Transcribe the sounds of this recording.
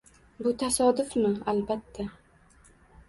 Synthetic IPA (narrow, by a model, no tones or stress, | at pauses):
bʊt̪ʰasɒd̪ʊfmɪalbat̪ʰːa